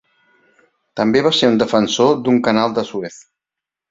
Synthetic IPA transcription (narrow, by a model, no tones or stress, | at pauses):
t̪əmbeβaseɾund̪əfənsod̪uŋkənalˠd̪əsueθ